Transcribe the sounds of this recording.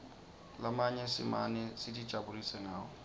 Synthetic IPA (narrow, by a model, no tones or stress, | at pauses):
lamaɲɛsɪ̰ma̰nɛsɪdi̥ʒ̥ʱabulisɛŋaːɔ